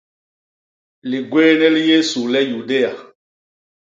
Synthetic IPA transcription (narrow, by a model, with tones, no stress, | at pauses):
li˨ɡweː˦nɛ˦li˦je˦su˨lɛ˦ju˨de˦ja˨